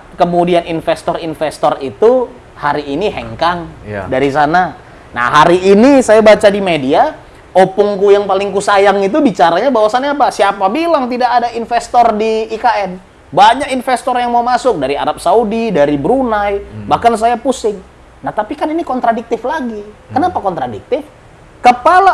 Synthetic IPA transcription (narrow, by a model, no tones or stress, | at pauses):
kəmudianinfɛst̪ɔrinfɛst̪ɔrit̪u | haɾiːniɦɛ̰ŋkaŋdaɾis̬ana | na̰ɦaɾiːnisajabat͡ʃadimedia | opʊŋkujaŋpalɪŋkusajaŋit̪̬ubit͡ʃaɾaɲabawasanɲapasiapabilaŋt̪idakadainfɛst̪ɔrdiːkaʔɛn | baɲakinfɛst̪ɔrjaŋmaumasʊk̚daɾia̰ɾap̚saudidaɾibɾunajbahkans̬ajapusɪŋ | naht̪apikaninikɔnt̪ɾadik̚t̪ɪflaɡikənapakɔnt̪ɾadik̚t̪ɪf | kəpala